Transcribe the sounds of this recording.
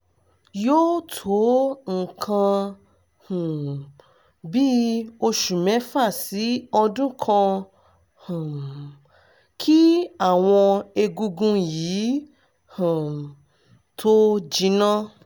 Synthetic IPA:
joː˦tʰo˨˦ŋ̩˨kʰã˧ | hũ˨ | bi˦o˧ʃu˨mɛ̃˨˦fa˦˨si˨˦ɔ˧dũ˦kʰã˧ | hũ˨ | kʰi˦a˦˨w̃ɔ̃˧e˧ɡu˧ɡũ˦jiː˨˦ | hã˨ | tʰo˦d͡ʒi˧nã˦

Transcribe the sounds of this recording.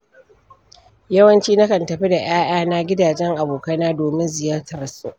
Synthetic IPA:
jɐ˦wɐ˦nt͡ʃiː˦na˦kɐ˨ntɐ˨ɸi˦da˨ʔaː˦ʔaː˦naː˦ɡʲɪ˦daː˨d͡ʒɛ˦ŋʔa˨boː˨kɐ˦naː˦doː˨mɪ˦nzɪ˨jaː˦tɐ˨ɾsu˦

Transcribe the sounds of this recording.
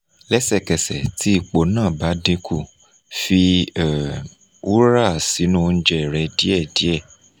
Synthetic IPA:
lɛ˦sɛ˦˨kɛ˨sɛ˨ti˦i˧˨k͡po˨nãː˦˨ba˨˦dĩ˧ku˦˨ | fi˧˨ | u˦ɾa˦˨si˨˦nũ˦˨˧n̩˦d͡ʒɛ˦˨ɾɛ˧di˦ɛ˦˨di˨˦ɛ˦˨

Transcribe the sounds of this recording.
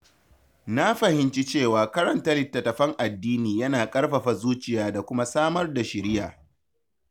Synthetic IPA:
na˦ɸɐ˨hɪ˨nt͡ʃi˦t͡ʃeː˦˨waː˨kɐ˦ɾɐ˨ntɐ˦lɪ˨tːɐ˨tɐ˨ɸɐ˦ŋʔa˨dːiː˦niː˨jɐ˦naː˨kʼɐ˦rɸɐ˨ɸa˨zuː˦t͡ʃɪ˨jaː˦da˨kʷʊ˦ma˦saː˦mɐ˦rda˨ʃɪ˨ɾɪ˦ja˨

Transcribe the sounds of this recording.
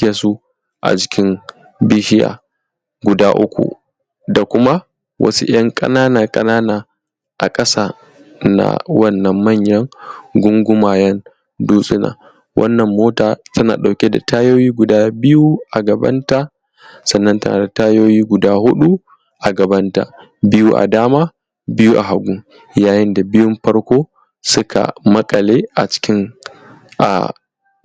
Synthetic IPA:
kʲe˨su˦ | ʔa̰˨d͡ʒɪ˦kʲɪ˦n | bi˦ʃɪ˦ja̰ː˨ | ɡʷʊ˨daː˦ʔʊ̰˦kʷṵ˨ | da˨kʷʊ˦ma˦ | wʔɐ̰˦sṵ˦j̰ɐ˦ŋkʼɐ̰˦naː˦naː˨kʼɐ˦naː˦naː˨ | ʔa˨kʼɐ˦saː˦ | na̰˨˦wɐ˦˨nːɐ˨mːɐ˦˨ɲjɐ˦ŋɡʷʊ˦ŋɡʷʊ˦maː˨jɐ˦n | duː˦sʼɪ˦na̰ː˨ | wʔɐ̰˦nːɐ˨mːoː˦taː˨tɐ˦na̰ː˨ɗa˨wkʲe˦da̰˨tʰaː˦joː˦jiː˦ɡʷʊ˨daː˦bɪ˦ju˦ʔa˨ɡɐ˨bɐ̰˦nta˦ | sɐ˨nːɐ˦ntɐ˦na̰ː˨da˨taː˦joː˦jiː˦ɡʷʊ˨daː˦hʊ˦ɗu˦ | ʔa˨ɡɐ˨bɐ˦nta̰˨ | bɪ˦ju˦ʔa̰˨daː˦maː˦ | bɪ˦ju˦ʔa̰˨ɦa˨ɡʷu˦ŋ | jaː˨jɪ˦nda˨bɪ˦jʊ˦mɸɐ˦ɽkʷoː˦ | sʊ˦kʰa̰˨mɐ˦kʼɐ˨leː˦ʔa̰˨t͡ʃɪ̥˦kʲɪ˦ŋ | ʔa̰˨

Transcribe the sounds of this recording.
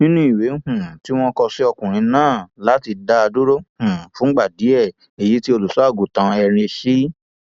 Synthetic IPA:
nĩ˦nũ˦i˨we˨˦hũ˦˨ti˦w̃ɔ̃˦kɔ˧si˦ɔ˧kũ˨ɾ̃ĩ˨˧˦nãː˦˨la˨˦ti˧da˧a˧du˦ɾo˦hũ˨fũ˦ɡ͡ba˦˨di˨˦ɛ˦˨ | e˨ji˨˦ti˦o˧lu˨su˨˦a˦˨ɡu˨tã˧ɛ˧ɾ̃ĩ˧ʃi˦

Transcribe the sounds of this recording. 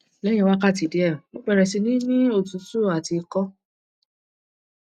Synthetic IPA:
lɛ̃˦ɛ̃˧wa˦ka˦˨ti˨di˨˦ɛ˦˨mo˦k͡pɛ˦˧ɾɛ˧˨si˧nĩ˦nĩ˦o˦˨tũ˨˦su˦˨a˨ti˧kɔ˦

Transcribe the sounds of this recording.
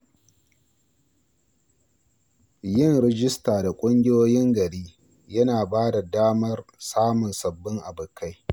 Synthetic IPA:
jɪ˦˨ŋɾɛ˦d͡ʒɪ˦staː˨da˨kʷʼʊ˦ŋɡʲɪ˦joː˦jɪ˦ŋɡɐ˨ɽiː˦ | jɐ˦naː˨baː˦da˨daː˦mɐ˦rsaː˦mʊ˨nsɐ˨bːɪ˦ŋʔa˨bʊ˨ka˦j

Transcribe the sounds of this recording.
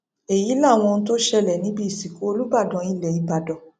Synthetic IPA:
e˨ji˨˦la˦˨w̃ɔ̃˧n̩˦t̬o˦ʃɛ˧lɛ˨nĩ˨˦bi˦i˨si˨ko˨˦o˧lu˦ba˦˨dɔ̃˨˧˦i˦˨lɛ˨i˨ba˨dɔ̃˨˧˦

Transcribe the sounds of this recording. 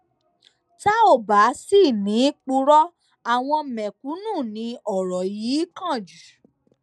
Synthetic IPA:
ta˦o˦˨ba˨˦si˦˨nĩ˨˦k͡pu˧ɾɔ˦ | a˦˨w̃ɔ̃˧˨mɛ̃˨ku˨˦nũː˦˨nĩ˧ɔ˨ɾɔ˨ji˨˦kã˦˨d͡ʒu˨

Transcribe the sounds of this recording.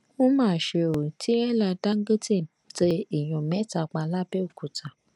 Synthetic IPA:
õ˦mãː˦˨ʃe˧o˨ti˨˦ɛ˦la˧da˦ŋ̩˦ɡe˦te˦˨ | te˧i˨j̃ɔ̃˨mɛ̃˨˦ta˧˨k͡pa˧la˦bɛ˦o˨ku˨tʰa˨

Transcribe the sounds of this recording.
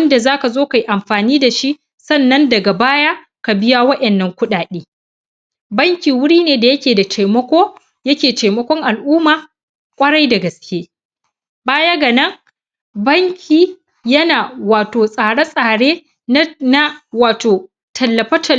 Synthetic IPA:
ɐ˦nda˨zaː˦ka˨zoː˦ka˨ji˦ʔa˨mɸaː˨niː˦da˨ʃi˦ʔ | sɐ˦˨nːɐ˦ndɐ˨ɡa˨baː˦jaː˦ | ka˨bɪ˦ja˦wɐ˦ʔɛ˨nːɐ˦ŋkʷʊ˦ɗaː˨ɗeː˦ | bɐ˦ŋkʲi˨wʊ˦ɽiː˦neː˨da˨jɐ˦kʲeː˨da˨t͡ʃeː˨mɐ˦kʷoː˦ | jɐ˦kʲeː˨teː˨mɐ˦kʷɔ˦ŋʔa˨lʔuː˦maː˨ | kʷʼɐ˦ɽa˦jda˨ɡɐ˨skʲeː˦ | baː˦ja˦ɡɐ˨nɐ˦ŋ | bɐ˦ŋkʲʰiː˨ | jɐ˦naː˨waː˨toː˨sʼaː˨ɽa˦sʼaː˨ɽeː˦ | na˦waː˨toː˨ | tʰɐ˨lːɐ˨ɸɐ˦tʰɐ˨

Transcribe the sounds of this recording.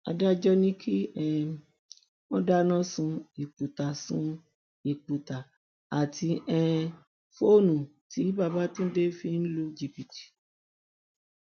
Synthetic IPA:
a˧da˦d͡ʒɔ˧nĩ˦kʰi˦ɛ˧ | mɔ̃˦da˦nã˦sũ˧i˨k͡pu˨ta˨sũ˦ | i˨k͡pu˨ta˨ | a˨ti˧ɛ˦˧ | fo˦˨nũ˨ti˨˦ba˧˨ba˦tũ˦de˦fĩ˧n̩˦lu˦d͡ʒi˦˨pi˨ti̥˨

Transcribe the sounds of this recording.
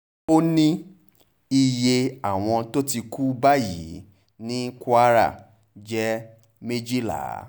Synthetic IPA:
o˦nĩ˦ | i˧je˧a˨w̃ɔ̃˧to˦ti˧ku˦ba˦jḭ˨˦ | nĩ˦kʷa˦ɾa̰˦˨ | d͡ʒɛ˦ | me˦d͡ʒi˦la̰˨˦

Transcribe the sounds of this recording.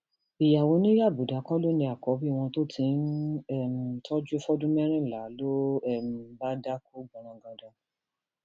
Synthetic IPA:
i˨ja˨wo˨˦nĩ˦ja˦˨bu˨da˨˦kɔ˦lo˦nĩ˧a˨kɔ˨˦bi˦˨w̃ɔ̃˧to˦tʰĩ˨˦n˦ɛ˦˨m̩˨tʰɔ˦d͡ʒu˦e˦fɔ˦dũ˦mɛ˦ɾ̃ĩ˦˨la˨˦lo˦ɛ˦˨m̩˨ba˦da˦ku˦ɡ͡bɔ̃˨ɾ̃ã˨ɡã˨dã˧

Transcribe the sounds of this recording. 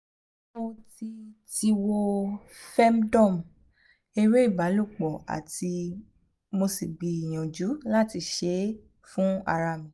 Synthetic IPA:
o˧ti˧ti˧wo˧fɛ˦m˦dɔ̃˦˨m˨ | e˧ɾe˦i˦˨ba˨˦lu˦˨k͡pɔ˨a̰˨ti˧ | mo˧si˨ɡ͡bi˧i˨j̃ɔ̃˨d͡ʒu˨˦la˦ti˧˨ʃe˨˦ | fũ˦a˧ɾa˧mĩ˨

